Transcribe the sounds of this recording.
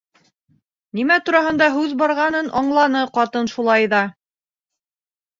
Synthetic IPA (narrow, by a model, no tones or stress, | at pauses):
nimæt̪uɾɑɦɤ̆nd̪ɑɦʉðbɑɾʁɑnɤnʔɑɴlˠɑnɤqɑt̪ɤnʃulˠɑjðɑ